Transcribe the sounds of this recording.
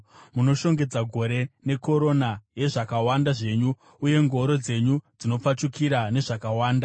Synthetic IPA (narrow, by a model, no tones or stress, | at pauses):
muno̞ʃo̞ŋɡe̞d͡zaɡʱo̞ɾe̞ne̞ko̞ɾo̞naje̞ʐakawandaʐe̞ɲuː | je̞ŋɡo̞ɾo̞d͡ze̞ɲud͡zino̞p͡fat͡ʃukiɾane̞ʐakawaːnda